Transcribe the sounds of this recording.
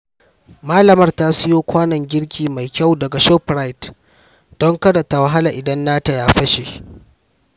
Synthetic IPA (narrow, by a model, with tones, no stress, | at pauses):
maː˦lɐ˨mɐ˦rtaː˦sɪ˦joː˦kʷaː˦nɐ˨ŋɡʲɪ˦ɽkʲiː˨ma˨jkʲa˦˨wdɐ˨ɡa˨ʃɔ˦pɾa˦jt | d̥ɔ˦ŋkɐ˦da˨ta˨wa˦ɦa˦la˨ʔɪ˨dɐ˦nːaː˦ta˨jaː˦ɸɐ˦ʃe˨